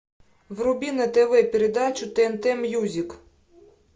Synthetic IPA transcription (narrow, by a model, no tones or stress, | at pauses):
ʋrʊbʲinɐt̪ɛʋɛpʲiɾed̪ɑt͡ʃʊt̪ent̪ɛmjuzʲik